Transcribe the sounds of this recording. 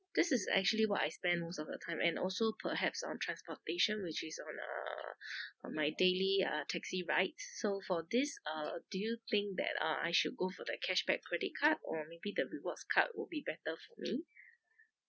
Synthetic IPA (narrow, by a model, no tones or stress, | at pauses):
d̪̥ɪsɪsɛ̰k̚t͡ʃuəliwɔta̰ɪspɛ̃nmostɔfdətʰãɪ̃mʔɛ̰̃nɔlsopʰəɦɛpsɔ̰̃ntʰɹãnspɔteʃə̃nwɪt͡ʃɪsɔ̃nʌ̰ | maɪdeliʌ̰tʰɛksiɹaɪt̚sːofɔd̪ɪsʌd̥ujut̪ɪ̃ŋk̚d̪ɛ̰tʌ̰a̰jʃud̚ɡofɔdəkʰɛʃb̥ɛkʰːɹɛdɪ̰t̚kʰat̚ɔmebid̪əɹiwɔtskʰa̰t̚wɪ̰lbibɛtəfɔmi